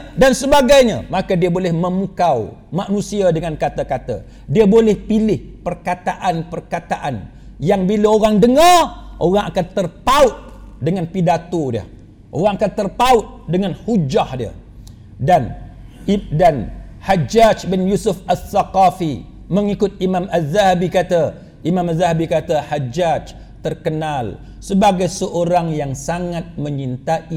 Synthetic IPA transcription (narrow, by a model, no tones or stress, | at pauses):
dansəbaɡajɲã̰makadiabolɛhmə̃mũkawmanũsiadəŋãnkat̪akat̪a̰ | diabolɛhpilɪhpərkat̪aʔanpərkat̪aʔan | jaŋbilaoɾaŋdəŋarʔoɾaŋakant̪ərpaʊt̪̚dəŋanpidat̪odiə̰h | ʔo̰ɾaŋakant̪ərpaʊt̪̚dəŋanhud͡ʒahdiə̰ | danʔib̚dan | had͡ʒad͡ʒbɪnjusʊfasːaqafi | məŋikʊt̪̚imãmazahabikat̪a | ʔimãmazaɦabikat̪ahad͡ʒad͡ʒ | t̪ərkənal | səbaɡajsəʔoɾaŋjaŋsaŋat̪̚mə̃ɲint̪aʔi